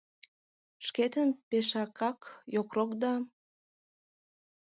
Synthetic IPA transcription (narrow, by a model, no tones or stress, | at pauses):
ʃket̪ənpeʃɑkɑkjokrokd̪ɑ